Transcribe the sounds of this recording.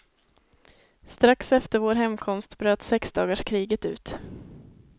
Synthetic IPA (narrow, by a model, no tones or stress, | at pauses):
st̪ɾaksɛft̪əɾvoːɾɦɛmkʰɔmst̪bɾøːt̪sɛksd̪ɑːɡaʂkʰɾiːɡət̪ʉ̟̰ːt̪